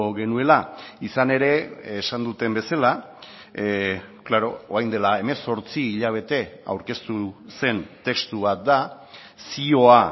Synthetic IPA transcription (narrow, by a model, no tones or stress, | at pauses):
ɣe̞nue̞laisane̞ɾe̞esand̪ut̪e̞mbe̞sala | klaɾo̞oajnd̪e̞lae̞me̞so̞ɾt͡siːʎaβ̞e̞t̪e̞a̰wɾke̞st̪use̞nt̪e̞kst̪uβ̞at̪̚d̪a | sio̞a